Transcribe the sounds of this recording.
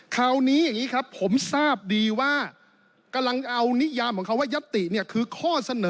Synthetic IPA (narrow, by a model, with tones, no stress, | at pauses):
kʰaː˨˩wniː˦˥jaː˨˩ŋiː˦˥kʰɾa˦˥pʰːo˩˦msaː˥˩p̚diː˧waː˥˩ | ka˧mla˧ŋʔa˧wni˦˥jaː˧mkʰɔː˨˩˦ŋkʰa˦˥waː˥˩ja˦˥t̪ːi˨˩ni˥˩ɐkʰɯː˧kʰɔː˥˩sa˧nɤː˨˦